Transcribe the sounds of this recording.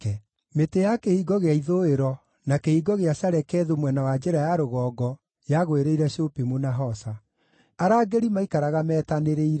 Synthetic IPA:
ɛ | metejakehiɡɔɣeaiðoeɾɔ | nakehiɡɔɣeasaɾɛkɛːðomwɛnawad͡ʒɛɾajaɾoɣɔːɡɔ | jaɣoeɾeiɾɛɕopemonaɦɔsa | aɾaːɡeɾimaikaɾaɣamɛːtaneɾeiɾɛ

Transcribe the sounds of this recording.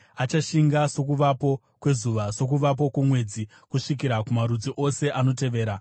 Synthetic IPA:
at͡ʃaʃiŋɡaso̞k̬uʋapo̞ | kwe̞zuʋaso̞k̬uʋap̬o̞kumwe̞d͡zi | kuʂikiɾakumaɾud͡ziʔo̞se̞ʔano̞t̬e̞ʋe̞ːɾa

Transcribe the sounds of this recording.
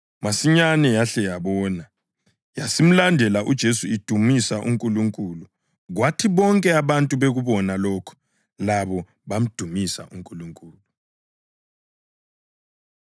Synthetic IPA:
masiɲanɛjaɬɛjaβɔːna | jasim̩landʱɛlaʔud̥ʒ̥ʱesuid̥ʱumisaʔṵŋkʼuluŋkʼuːlu | ɣwatʰiβɔŋkʼɛaβantʼuβeɣuβɔnalɔːkʰɔ̥ | laβɔ | βam̩d̥ʱumisa̰ʔuŋkʼuluŋkʼuːlu

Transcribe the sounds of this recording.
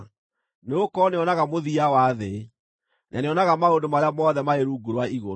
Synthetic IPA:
neokɔneɔnaɣamoðiawaðe | nʔa̰neɔnaɣamaondomaɾeamɔðɛmaeɾuɡuɾwaiɣo

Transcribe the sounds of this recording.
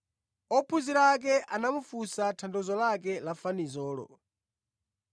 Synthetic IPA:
ɔpʰuziɾak̬ɛʔanamufusatʰandɔzɔlak̬ɛlafanizɔːlɔ̰

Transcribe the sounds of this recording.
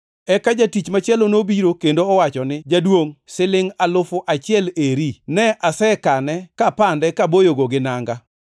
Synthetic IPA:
ɛkad͡ʒatit͡ʃmat͡ʃɪɛlonobiɾokendoɔwat͡ʃɔnɪd͡ʒadwoŋsɪlɪŋalʊfʊʔat͡ʃɪɛleɾinɛʔasɛkanɛkapandɛkabojoɡoɡɪnaŋɡa

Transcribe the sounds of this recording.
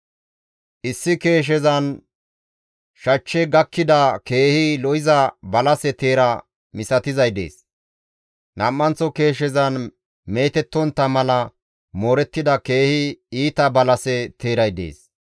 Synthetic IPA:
ʔɪsːɪke̞ːʃ̬ɛzɐn | ʃɐt͡ʃːɛɡɐkːɪd̪ɐke̞ːhɪlɔɪzɐbɐlɐsɛt̪e̞ːɾɐ | mɪsɐt̪ɪzɐjd̪e̞̰ːs | nɐmːɐnt͡sːɔke̞ːʃ̬ɛzɐn | me̞ːt̪ɛt̪ːɔnt̪ːɐmɐlɐ | moːɾɛt̪ːɪd̪ɐke̞ːhɪiːt̪ɐbɐlɐsɛt̪ʰe̞ːɾɐjd̪e̞̰ːs

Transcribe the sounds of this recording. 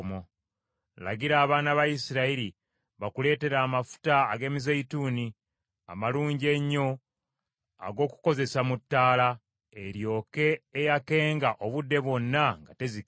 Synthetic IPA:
mo | la̰ɟiɾaːβaːnaβajisiɾaiɾi | βakule̞ːte̞ɾaːmafu̥taːɡe̞ːmizeituːni | a̰maluːɲɟe̞ɲːo̞ | a̰ɡo̞ːku̥ko̞ze̞samutːaːla | e̞ɾjo̞ːke̞ːjake̞ːŋɡaʔo̞βudːe̞βwo̞nːaŋɡate̞zi

